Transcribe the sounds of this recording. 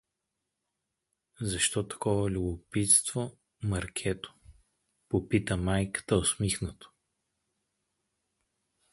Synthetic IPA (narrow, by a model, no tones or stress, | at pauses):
zɐʃt̪ɔt̪ɐ̥kɔvəlʲubopit̪st̪vo | mɐɾk̟ʲʰɛt̪o̥ | popit̪əmajkə̥t̪əʊsmixnət̪o̥